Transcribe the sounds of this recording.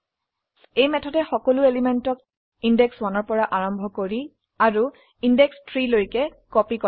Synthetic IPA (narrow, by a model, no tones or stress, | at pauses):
ejmɛtʰɔtɛxɔkɔlʊelimɛntɔk̚ | indɛkswanɔɹpɔɹaʔaɹɔmbʱɔkoɹi | aɹu | indɛkstʰɹilojkɛkɔpikɔ